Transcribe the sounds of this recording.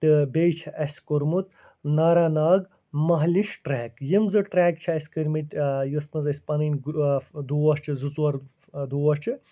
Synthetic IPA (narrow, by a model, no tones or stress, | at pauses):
t̪ɨbʲejt͡ʃʰɐʔɐsʲkuɾmut̪ | naːɾaːnaːɡ | mɐɦlʲiʃʈɾɛːkjimzɨʈɾɛːk̚t͡ʃʰɐɐsʲkɨɾʲmit̪ʲjusmɐzɐsʲpɐninʲɡd̪uːɐst͡ʃʰizɨt͡suɐɾ | d̪uːɐt͡ʃʰɨ